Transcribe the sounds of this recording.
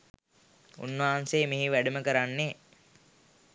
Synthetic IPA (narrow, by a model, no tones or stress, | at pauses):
ṵnːaɦanseːmiɦiʋæɖəməkəɾanːe